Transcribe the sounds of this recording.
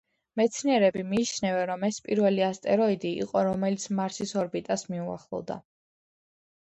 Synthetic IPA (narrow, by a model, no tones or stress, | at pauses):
mɛt̪sʰniɛɾɛbimiːt͡ʃʰnɛvɛnɾɔmɛspʼiɾvɛliast̪ʼɛɾɔid̪ḭːqʼɔɾɔmɛlit̪sʰmaɾsisɔɾbit̪ʼasmiua̰χlˠɔ̰vd̪a̰